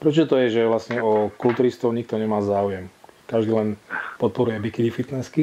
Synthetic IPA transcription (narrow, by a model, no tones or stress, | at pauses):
pɾɛt͡ʃɔt̪ɔjɛʒɛʋlasɲɛɔkult̪uːɾist̪ɔʊɲik̚t̪ɔɲɛmaːzaːujɛmkaʒd̪iːlɛnpɔt̪̚pɔɾujɛbikid̪ifit̪nɛski